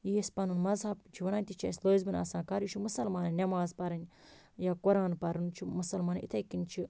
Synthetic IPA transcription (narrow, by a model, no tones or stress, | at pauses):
jispɐnunmɐzɦɐbt͡ʃʰiʋɐnaːnʲt̪ʲit͡ʃʰɐ̰sʲloːzbɨnɐ̰sãːnkɐɾit͡ʃʰimɨsɐlmaːnɐnʲɐmaːzpɐɾɐnʲ | jakuɾaːnpɐɾɨnt͡ʃʰimɐsɐlmaːnit̪ʰɐjkinʲt͡ʃʰi